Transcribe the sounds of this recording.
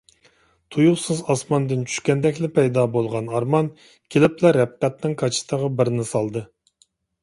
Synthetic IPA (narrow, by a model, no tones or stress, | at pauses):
t̪ʰujuχsɨzɑsmɑnd̪ɨnt͡ʃʰy̥ʃkʲɛnd̪ɛkʲlɪpʰɛjd̪ɑbolˠʁɑnɑɾmɑn | kʲʰelɪplɛɾɛp̚qɛt̪nɨŋkʰɑt͡ʃʰi̥t̪əʁɑbɪɾnɪsɑlˠd̪ɨ